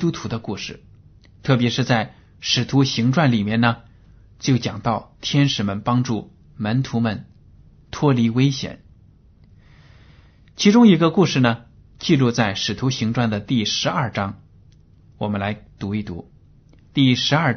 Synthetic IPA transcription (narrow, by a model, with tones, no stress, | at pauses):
tu˥t̪ʰu˧˥d̪ə˧ku˥˩ʂɻ̩˥˩ | t̪ʰɤ˥˩p̬jɛ˧˥ʂɻ̩˥˧t͡sa˥˩ɪ | ʂɻ̩˨˩t̪ʰu˧˥ɕi˧˥ŋʈ͡ʂwa˥˩nli˨˩mjɛ˥˩nnə˩ | t͡ɕjo˥˩ʊt͡ɕjɑ˨˩ŋt̪ɑ˥˩ʊt̪ʰjɛ˥nʂɻ̩˨˩mə˧npɑ˥ŋʈ͡ʂu˥˩ | mə˧˥nt̪ʰu˧˥mə˧n | t̪ʰwɔ˥li˧˥we˥ɪɕjɛ̰˨˩˦n | t͡ɕʰi˧˥ʈ͡ʂʊ˥ŋi˧˥ɡə˧ku˥˧ʂɻ̩˥˩nə˩ | t͡ɕi˥˧lu˥˧t͡sa˥˩ɪʂɻ̩˨˩t̪ʰu˧˥ɕi˧˥ŋʈ͡ʂwa˥˩nd̪ə˩t̪i˥˩ʂɻ̩˧˥ɐ˞˥˩ʈ͡ʂɑ˥ŋ | wɔ˨˩mə˦nla˧˥ɪt̪u˧˥i˥˩t̪ṵ˧˥ | t̪i˥˩ʂɻ̩˧˥ɐ˞˥˩